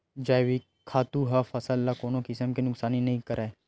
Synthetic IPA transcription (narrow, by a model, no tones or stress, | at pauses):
d͡ʒaːjwi | kʰaːt̪uɦafɐsəlːakoːnõkɪsəmkenʊksaːninɐɦĩkɐɾae